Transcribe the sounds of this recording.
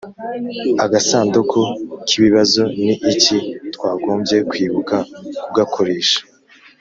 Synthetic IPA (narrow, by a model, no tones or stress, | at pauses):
aɡasaːndukʰokʰiβiβazoniʔicitkwaːɡo̞ːmbje̞kwiːβukakub̚ɡakʰo̞ɾe̞ːʃḁ